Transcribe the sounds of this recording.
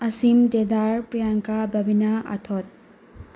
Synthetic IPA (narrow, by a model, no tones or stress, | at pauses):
ɐsimd̪ed̪aɾpɾijaŋkabʱɐbʱinaa̰t̪ʰɔt̪̚